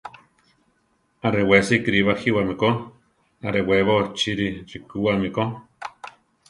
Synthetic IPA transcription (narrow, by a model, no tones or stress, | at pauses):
aɾewesikɾiβahiwamiko | aɾeweβot͡ʃiɾirikuamiko